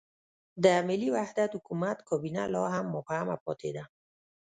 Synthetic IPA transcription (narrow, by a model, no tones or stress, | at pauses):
d̪əmɪlːiwahd̪at̪hʊkumat̪kɔbina̰lɑɦamːʊfhama̰pɔ̰t̪ʰḛd̪a